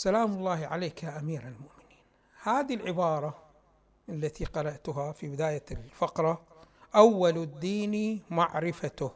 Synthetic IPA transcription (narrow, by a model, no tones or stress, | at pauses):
salaːmʊlˤːɑːhʕaleːkaʔamiːɾalmʊʔmɪniːn | haːðilʕɪbɑːɾˤɑ | ʔalːat̪ʰiqɑɾˤɑʔt̪ʊɦafibɪd̪aːjalfaqɾˤɑʔawːald̪ːiːnimaʕɾɪfat̪ʊh